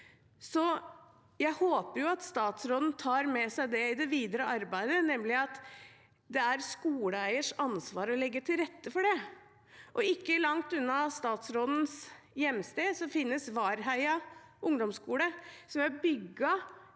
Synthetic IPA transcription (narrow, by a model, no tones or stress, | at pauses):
sɔ | jæɪhoːpəɾjʊɑt̪st̪ɑːt̪sɾoːd̪n̩t̪ʰɑːɾmɛsæɪd̪ɛɪd̪ɛʋiːd̪əɾəɑɾbæɪd̪ənɛmːlɪɑt̪ | d̪ɛæɾskuːɽəæɪəʂɑnsʋɑːɾɔlɛɡːət̪ʰɪlɾɛt̪ːəfɔɖɛ | ʔɔɪkːəlɑŋt̪ʉnːɑst̪ɑːt̪sɾoːd̪n̩s | jɛmːst̪eːd̪sɔfɪnːəsʋɑːɾɦæɪɑʔʊŋd̪ɔmskuːləsɔmæɾbʏɡːɑ